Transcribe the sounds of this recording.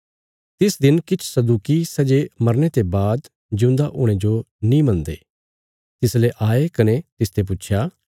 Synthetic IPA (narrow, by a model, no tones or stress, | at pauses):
t̪ɪsd̪ɪnkɪt͡ʃʰsɐd̪uːkisɐd͡ʒemɐɾnet̪ebaːd̪ | d͡ʒʊ̃nd̪aʔʊɽ̃ed͡ʒo | nĩːmɐ̃nd̪ḛː | t̪ɪsleʔaːekɐnet̪ɪst̪ep̬ʊːʃʰjaː